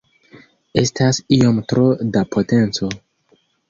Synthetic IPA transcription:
e̞stasio̞mtɾodapʰo̞te̞nt͡so̞

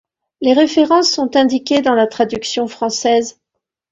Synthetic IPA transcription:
leʁefeʁɑ̃sːɔ̃t̪ɛ̃d̪ikʲed̪ɑ̃lat̪χad̪yksjɔ̃fχɑ̃sɛz

